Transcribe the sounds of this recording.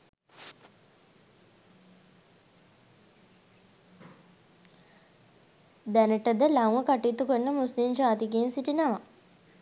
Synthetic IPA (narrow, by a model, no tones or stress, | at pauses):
d̪ænəʈəd̪əlaŋməkaʈiːt̪ukənːəmuslimd͡ʒaːt̪ikeːnsiʈinaʋa